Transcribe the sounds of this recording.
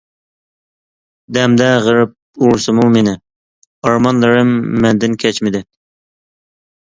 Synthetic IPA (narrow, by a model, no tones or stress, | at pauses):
d̪ɛmd̪ɛʁəɾɨp̚uɾsɨmumenɪ | ɑɾmɑnlˠɨɾɨmːɛnd̪ɪnkʲʰɛt͡ʃmɪd̪ɪ